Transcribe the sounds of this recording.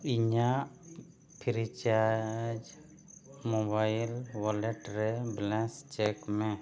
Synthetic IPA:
iɲaʔ | pʰiɾit͡ʃad͡ʒ | mɔbajlwalɛʈɾɛblɛ̃st͡ʃɛkmɛ

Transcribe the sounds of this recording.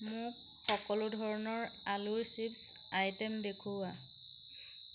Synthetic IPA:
mʊk̚ | xɔkɔlʊdʱɔɹɔnɔɹalʊɹsips | ajtɛmdekʰuwa

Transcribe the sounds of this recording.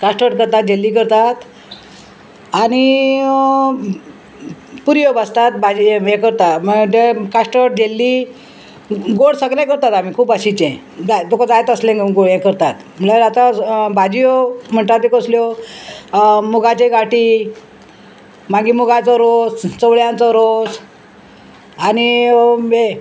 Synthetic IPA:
kaʂʈəɾʈ̚kəɾt̪at̪̚d͡ʑelːikəɾt̪at̪ | ani | puɾjobəst̪at̪̚bad͡ʑijekəɾt̪at̪mət̪ekaʂʈəʈ̚d͡ʑelːi | ɡoɽsəɡɾẽkəɾt̪at̪am̤ikʰuːpəɕit͡ɕẽ | d͡zat̪okad͡zajt̪əslẽɡɡojẽkəɾt̪at̪ | m̤əlaɾat̪abad͡ʑijom̤əɳʈ̪at̪ekəsljo | muɡat͡ɕeɡaʈi | maɡiːmuɡat͡sɔɾost͡səʋɭjãnt͡sɔɾos | ani | e

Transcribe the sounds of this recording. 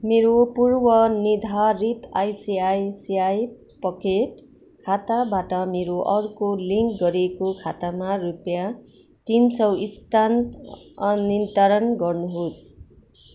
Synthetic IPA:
meɾopurbʌnid̪ʱaɾit̪ajsiajsiaj | pʌkeʈ | kʰat̪abaʈʌmeɾoʔʌɾukoliŋkɡʌɾekokʰat̪amarupjat̪insʌwist̪an | nint̪aɾʌnɡʌrnuɦos

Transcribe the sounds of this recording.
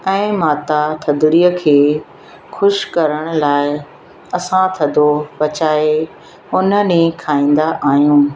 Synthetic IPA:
ɛ̃ːmaːt̪at̪ʰɐd̪ɾiːəkʰeː | xʊʃkɐɾəɽ̃ʊ̆laːɪ | ɐsãt̪ʰɐd̪ʱobɐt͡ɕaːe | ʊn̤ə̆nekʰaːĩːnd̪aʔaːɦjũː

